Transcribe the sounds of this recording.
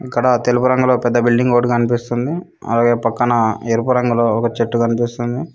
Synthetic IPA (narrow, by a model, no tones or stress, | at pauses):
ikːɐɽɐt̪elupuɾɐŋɡulo̞ːpɛd̪ːɐbilɖiŋɡoːʈukɐnipist̪und̪i | ɐ̰laːɡe̞ːpɐkːɐnɐeɾupuɾɐŋɡulo̞ːɔkɐt͡ʃeʈːukɐnipist̪und̪i